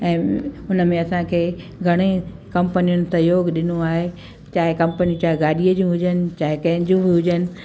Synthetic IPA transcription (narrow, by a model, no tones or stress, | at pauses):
ɛ̃ːʊnəmẽɐsãkʰeː | ɡʱɐɽ̃ekɐ̃mpənijʊnɪ̆sɐjoːɡɗɪnuaːɦe | t͡ɕaːɦɪkɐ̃mpənijũt͡ɕaːɦɪɡaːɗiːəd͡ʑũɦʊd͡ʑənɪ̆t͡ɕaːɦɪkɐ̃ɦɪ̃ɲd͡ʑũbiɦʊd͡ʑənɪ̆